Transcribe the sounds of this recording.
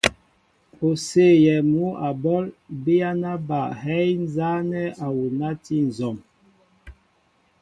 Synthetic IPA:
o˨se˦˨jɛ˨mu˨˦a˨bɔ˦lbi˦a˦na˦ba˨hɛ˦jn˦za˦nɛ˦a˨wu˨na˦ti˦n̩˨zɔ˨m

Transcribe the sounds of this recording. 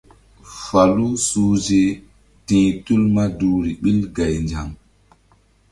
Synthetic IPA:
fa˨lu˦suː˦d͡ʒe˦ | tĩː˨tu˦lma˦duː˨ɾi˨ɓi˦lɡa˨jnd͡ʒa˨ŋ

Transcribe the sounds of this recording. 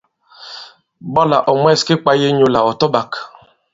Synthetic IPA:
bɔ˦la˨ʔɔ˨m˦ɛ˦˨ske˦k͡pa˦je˦ɲo˨la˨ɔ˨tɔ˦ba˨k

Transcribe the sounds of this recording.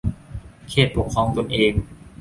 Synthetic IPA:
kʰeː˥˩t̪̚po˨˩kʰːɔː˧ŋt̪o˧nʔeː˧ŋ

